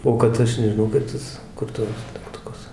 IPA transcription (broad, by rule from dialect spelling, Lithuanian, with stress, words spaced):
ˈoː kɐt ˈɐʃ nʲɛʒʲɪˈnɐʊ kɐɪp ˈtɐs kʊr ˈtuɔs dʲɛktʊˈkʊs